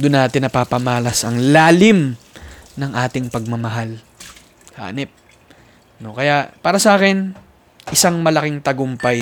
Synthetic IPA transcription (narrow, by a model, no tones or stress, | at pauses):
d̪ʊnːaːt̪ɪnːɐpapɐmaːlɐsɐŋlaːlɪm | nɐŋʔaːt̪ɪŋpɐɡ̚mɐmɐɦal | ha̰ːnɛp̚ | no̞kɐjaʔpaːɾɐsɐʔaːkɪn | ʔɪsaŋmɐlɐkɪŋt̪ɐɡʊmpɐj